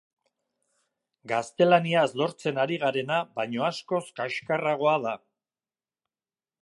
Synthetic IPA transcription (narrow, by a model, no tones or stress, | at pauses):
ɡast̪e̞laniazlo̞ɾt͡se̞naɾiɣ̞aɾe̞naβaɲo̞asko̞skaʃkaraɣ̞o̞að̞a